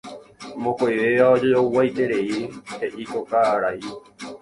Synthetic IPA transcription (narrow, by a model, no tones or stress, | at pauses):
mõkʷajʋeʋaod͡ʒɨowwajt̪e̞ɾe̞ihe̞ʔikokaɾai